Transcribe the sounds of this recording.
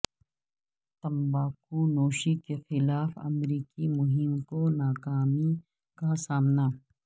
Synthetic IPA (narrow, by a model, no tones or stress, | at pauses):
t̪ɐmbaːkunoːʃikexɪlaːfɐ̰mɾiːkimʊɦɪmkonaːkaːmi | kasaːmna